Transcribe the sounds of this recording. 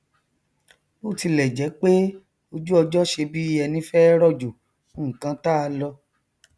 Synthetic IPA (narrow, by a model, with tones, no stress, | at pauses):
bo˦˨ti˧lɛ˨d͡ʒɛ˨˦k͡pe˦ | o˧d͡ʒu˦ɔ˧d͡ʒɔ˦ʃe˧bi˦i˦ɛ˧nĩ˦fɛ˦ɾɔ˦˨d͡ʒo˨˦ | ŋ̩˨kã˧ta˦a˧lɔ˧